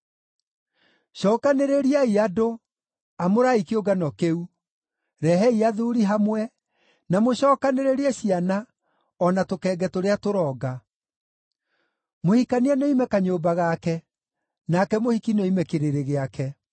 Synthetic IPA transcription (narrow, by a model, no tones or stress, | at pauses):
ɕɔːkaneɾeɾiaiado | amoɾaikioɡanɔkeu | ɾɛɦɛiaðuɾiɦamwɛ | namoɕɔːkaneɾeɾiɛɕiana | ɔnatokɛːɡɛtoɾeatoɾɔːɡa | mohikaniɛnɔimɛkaɲoːbaɣakɛ | nakɛmohikinoimɛkeɾeɾeɣeakɛ